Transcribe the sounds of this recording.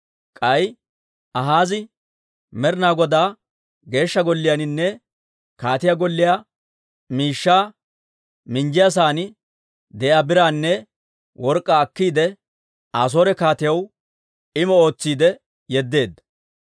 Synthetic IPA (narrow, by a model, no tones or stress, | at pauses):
kʼɐj | ɐɦaːzɪ | mɛɾnaːɡɔd̪aː | ɡe̞ːʃːɐɡɔlːɪjanɪnːɛ | kaːt̪ɪjaɡɔlːɪjaː | miːʃːaː | mɪnd͡ʒɪjas̬aːnɪ | d̪ɛʔaːbɪɾaːnːɛ | wʔɔɾkʼːaːkːiːd̪ɛ | aːs̬oːɾɛkaːt̪ɪjɐw | ɪmɔo̞ːt͡sːiːd̪ɛ | jɛd̪ːe̞ːd̪ːɐ̥